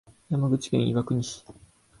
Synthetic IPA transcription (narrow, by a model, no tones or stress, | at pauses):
jamaɡɯ̟t͡ɕi̥kẽ̞̰ɰ̃ḭβakɯ̟ɲ̟iɕi̥